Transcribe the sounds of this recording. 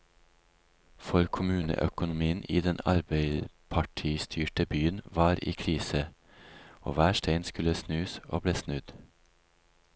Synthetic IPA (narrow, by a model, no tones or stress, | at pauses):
fɔɾkʰʊmʉːnə̰ʔœ̰kʊnʊmiːənʔiːd̪ɛnɑ̰ɾbeɪpʰɑʈʰiːst̪ʰyːʈəbyːənʋɑːɾḭːkʰɾiːsə | o̰ːʋæːʃtʰeɪnskʉləsnʉːsʔo̰ːbleːsnʉd̪̥